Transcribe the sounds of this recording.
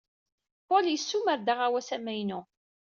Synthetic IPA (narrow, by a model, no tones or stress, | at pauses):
poljəsːuməɾd̪aʁawæsæmæjnu